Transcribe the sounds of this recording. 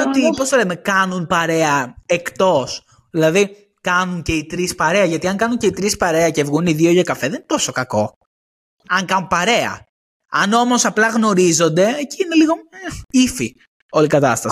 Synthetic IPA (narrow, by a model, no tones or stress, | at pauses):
ot̪ipo̞st̪olemekɐnunpɐɾe̞ɐekt̪o̞s | ðilɐði | kɐnunce̞it̪ɾispɐɾeɐʝɐt̪iɐŋkɐnuɲce̞it̪ɾispɐɾeɐcevɣuniðioʝɐkɐfeðenint̪oso̞kɐko̞ | ɐŋkɐnunpɐɾe̞ɐ̰ | ɐno̞mo̞sɐplɐɣno̞ɾizo̞nd̪e̞ːciine̞liɣo̞eifi | o̞likɐt̪ɐst̪ɐ